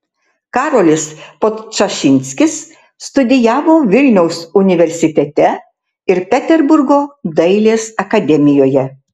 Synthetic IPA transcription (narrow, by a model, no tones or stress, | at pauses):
kɑːɾoːlʲɪspot̪t͡ʃɐʃʲɪnʲsʲkʲɪsː | t̪ʊd̪ʲɪjæːʋoːʋʲɪlʲnʲɛʊsʊnʲɪʋʲɛɾʲsʲɪt̪ʲɛt̪ʲɛ | ɪɾpʲɛt̪ʲɛɾbʊɾɡoːd̪ɐɪlʲeːsɐkɐd̪ʲɛmʲɪjoːjɛ